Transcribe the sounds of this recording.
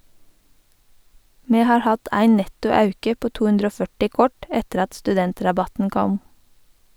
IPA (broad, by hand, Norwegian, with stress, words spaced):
ˈmeː ˈhɑːɹ ˈhɑt ˈæɪ ˈnɛtʊ ˈɑʉkə ˈpoː ˈtuː ˈhʉndɾ ˈoː ˈfœʈɪ ˈkɔʈ ˈɛtəɾ ˈɑt stʉˈdɛntɾɑˌbɑtn̩ ˈkɔm